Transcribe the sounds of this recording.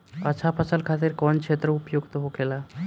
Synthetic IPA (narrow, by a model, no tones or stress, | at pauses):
ət͡ʃʰapʰət͡ʃəlkʰat̪iɾkɔnkʃet̪ɾəupjoɡt̪oɦokela